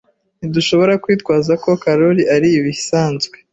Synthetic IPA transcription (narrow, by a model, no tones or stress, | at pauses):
niduʃo̞βo̞ɾakwiːt̚ɡwaːzako̞kaɾo̞ɾiʔaɾiːβisaːnzɡwe